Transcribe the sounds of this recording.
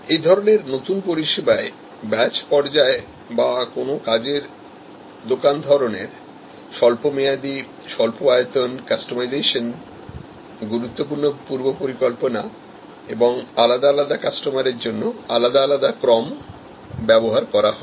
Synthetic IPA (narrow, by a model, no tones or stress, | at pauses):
ejd̪ʱɔɾoneɾnot̪unpoɾiʃebae | bɛt͡ɕpɔɾd͡ʑae | bakonokad͡ʑeɾ | d̪okand̪ʱɔɾoneɾ | ʃɔlpomejad̪i | ʃɔlpoajot̪onkasʈomajd͡ʑejʃon | ɡuɾut̪ːop̬uɾnopuɾbopoɾikolpona | eboŋalad̪alad̪akasʈomaɾeɾd͡ʑonːoalad̪aːlad̪akɾɔm | bɛboɦaɾkɔɾaɦɔe